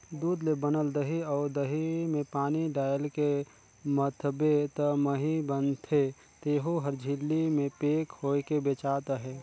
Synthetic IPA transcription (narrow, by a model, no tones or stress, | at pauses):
d̪uːd̪lebənəld̪əɦiɔːɾd̪əɦimẽpaːniɖaːjəlke | mət̪ʰbet̪əməɦibənt̪ʰe | t̪eːɦoɦəɾd͡ʒʱɪlːimẽpeːkhoːekebet͡ʃaːt̪aɦɛː